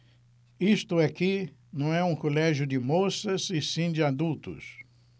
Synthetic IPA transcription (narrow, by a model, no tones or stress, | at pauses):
ist̪ʊɛkɪinɐ̃w̃ɛũkolɛʒjʊd͡ʒɪmosɐsɪsĩd͡ʒɪad̪ut̪ʊ̰s